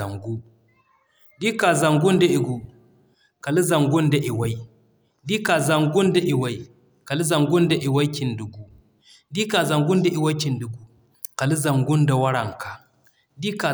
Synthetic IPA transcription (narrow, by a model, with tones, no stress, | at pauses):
a˨ŋɡu˦ | di˦ka˨za˨ŋɡu˦nda˦i˨ɡu˨ | ka˨li˦za˨ŋɡu˦nda˨ʔi˨wa˦ji˦ | di˦ka˨za˨ŋɡu˦nda˨ʔi˨wa˦i˦ | ka˨li˦za˨ŋɡu˦nda˨ʔi˨wa˦kʲi˨ndu˨ɡu˦ | di˦ka˨za˨ŋɡu˦nda˨ʔi˨wa˦jkʲi˨ndu˨ɡu˨˦ | ka˨li˦za˨ŋɡu˦nda˨wɐ˦ɽa˨ŋka˨ | di˦ka˨